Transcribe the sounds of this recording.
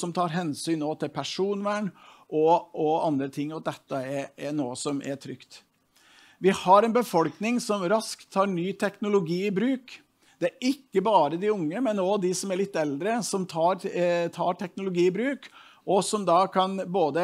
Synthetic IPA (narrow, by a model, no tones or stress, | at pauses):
sɔmt̪ʰɑːɾɦɛnsyːnoːt̪ʰɪlpʰæʂuːnʋæɳʔɔɔɑnd̪ɾət̪ʰɪŋːɔd̪ɛt̪ːəɛɛnoːəsɔmʔɛ̰ʈʰɾʏkt̪ | ʋɪhɑɾɛnbəfɔlknɪŋsɔmɾɑskt̪ʰːɑːɾɳyːt̪ʰɛknʊlʊɡiːɪbɾʉːk | d̪̥ɛæɾʔɪkːəbɑːɾəd̪ɪʊŋːəmɛnɔd̪ɪsɔmæɾɭɪt̪ːɛld̪ɾəsɔmt̪ʰɑːɾt̪ʰɑːʈʰɛknʊlʊɡiːɪbɾʉːk | ʔɔsɔmd̪ɑːkʰɑnboːd̪ə